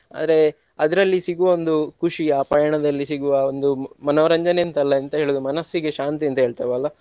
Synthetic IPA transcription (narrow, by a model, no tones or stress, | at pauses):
a̰ːd̪ɐɾe̞ | ɐd̪ɐɾɐlːisiɡuʋɐond̪ukuʂiaːpaːjɐɳɐd̪ɐlːisiɡuʋɐond̪umɐnoːʋɐɾɐɲd͡ʒɐnent̪ɐlːɐɐnt̪ɐɦe̞ːɭud̪umɐnɐsːiɡeʃaːnt̪̬iɐnt̪ɐɦeːɭt̪ɐʋɐːlːɐ